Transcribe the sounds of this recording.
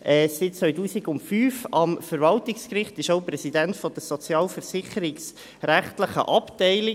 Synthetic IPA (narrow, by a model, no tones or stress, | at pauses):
ʔɛːsɪt̚t͡sʋœʏtuːsiɡʊntfyːfɑmfəɾvɑltɪkskrɪχt̪ɪʃoʊpɾɛsid̪æntfɔd̥̪əsɔt͡sjɑːlfəɾsɪχəɾɪks | ɾæχt̪ləχə̰ʔɑptɛɪlɪ